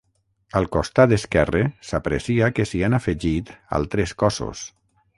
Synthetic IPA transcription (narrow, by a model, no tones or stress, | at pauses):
əlˠkost̪ad̪eskɛresapɾḛsiakesianafeʒit̪a̰lˠt̪ɾeskɔso̰s